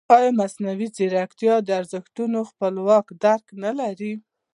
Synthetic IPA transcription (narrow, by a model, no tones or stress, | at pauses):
ɑjmasnawizeɾakt̪jɑd̪əaɾzəxt̪unoxpəlwɑkd̪aɾknalaɾi